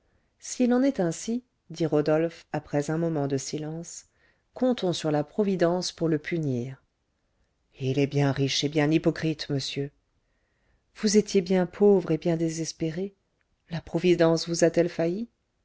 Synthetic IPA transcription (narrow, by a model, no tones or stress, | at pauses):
silɑ̃nɛt̪ɛ̃si | d̪iʁɔd̪ɔlfapχɛzɛ̃mɔmɑ̃d̪əsilɑ̃s | kɔ̃t̪ɔ̃syʁlapχɔvid̪ɑ̃spuʁləpʰyniːʁ | ilɛbjɛ̃ʁiʃebjɛ̃nipɔkχit̪məsjø | vuzet̪jebjɛ̃pʰovʁebjɛ̃d̪ezɛspeʁe | lapχɔvid̪ɑ̃svuzat̪ɛlfaji